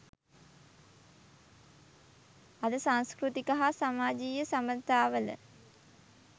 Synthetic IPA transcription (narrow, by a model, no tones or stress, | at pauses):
ad̪əsaŋskrut̪ikaɦasamaːd͡ʒiːjəsamənt̪aːʋələ̰